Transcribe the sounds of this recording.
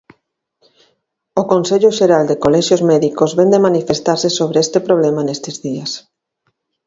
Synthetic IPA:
okonseʎʊʃeɾald̪ekolɛʃjozmɛðikozβend̪emanifest̪aɾsesoβɾeest̪epɾoβ̞lɛmanest̪ezðias

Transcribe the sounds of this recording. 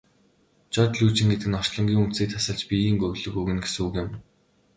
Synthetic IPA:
t͡ɕɔːt̪ɮuːt͡ɕɪ̆ŋɡet̪ɘ̆ɘ̆nɔr̥t͡ɕɮɞ̆ŋɡʲiːŋunt̪siːk̚t̪ʰḁsə̆ɮt͡ɕpʲijiːŋɡɵɣɮɵ̆ɣuɣɘ̆nɡesɘ̆ŋuɣjɪ̆m

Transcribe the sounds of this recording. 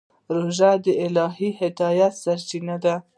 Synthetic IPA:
ɾoʒad̪əɪlɑɦihɪd̪ɑjat̪saɾt͡ʃinad̪a

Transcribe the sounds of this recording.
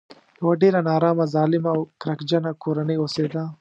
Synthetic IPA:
jɐwaɖeːɾanɑːɾɑːmazɑːlɪmawkɾɐkd͡ʒɐnakʰoːɾɐnəjoseːd̪a

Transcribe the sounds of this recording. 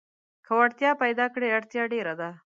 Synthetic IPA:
kʰəwaɽt̪jɑpajd̪ɑkɽeaɽt̪jɑɖeɾad̪a

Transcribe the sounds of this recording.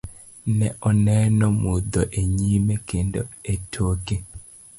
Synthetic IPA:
nɛʔɔnɛnɔmud̪ɔʔeɲimekendo̰etʰoke

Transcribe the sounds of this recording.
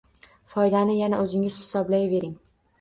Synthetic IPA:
fɒjd̪anɪjanaɵzɪŋɪz̥hɪ̥sɒblajve̞ɾɪŋ

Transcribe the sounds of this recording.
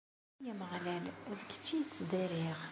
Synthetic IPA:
jæməʁlælðəkːə̥t͡ʃːijət͡sːd̪ˤiɾiʁ

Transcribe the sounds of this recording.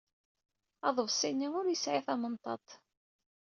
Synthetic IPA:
ɑðˤəvsˤinːiŋʊɾjəsʕiθɑmənt̪ˤɑ̰t̪ˤ

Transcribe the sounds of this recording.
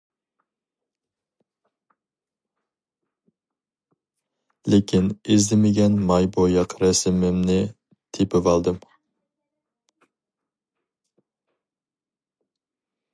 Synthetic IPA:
lekʲʰinɪzd̪ɪmɪɡʲɛnmɑjbojɑqɾɛsɪmɪmnɪ | t̪ʰepɪvɑlˠd̪ɨm

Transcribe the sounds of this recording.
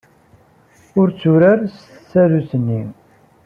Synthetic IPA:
ʊɾt͡sːuɾəɾst̪ə̥t͡sːæðusənːi

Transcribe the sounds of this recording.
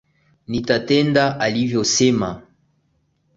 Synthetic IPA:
nitatɛndaʔalivjosema

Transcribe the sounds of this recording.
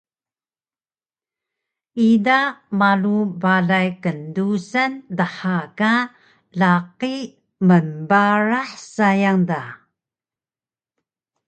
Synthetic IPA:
idamalubaɮajkəndusandəħaka | laqi | mənbaɾaħsajaŋda

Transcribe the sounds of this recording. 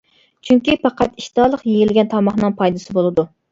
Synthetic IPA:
t͡ʃʰyŋkʲipɑqɑt̪iʃt̪ɑːlˠəqjejilɪɡʲɛnt̪ʰɑmɑχnɨŋpʰɑjd̪ɨsɪbolˠɨd̪u

